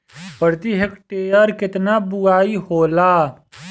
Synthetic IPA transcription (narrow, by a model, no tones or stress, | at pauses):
pəɾd̪iːɦɪkʈeːəɾkɪt̪naːbʊaːiːhoːlaː